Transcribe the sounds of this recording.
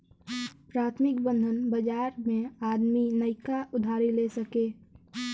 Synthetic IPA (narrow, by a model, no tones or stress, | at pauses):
pɾaːt̪ʰmɪkbə̃nd̪ʱənbəd͡ʒaːɾmẽaːd̪minəɪkaʔʊd̪ʱaːɾilesəkeː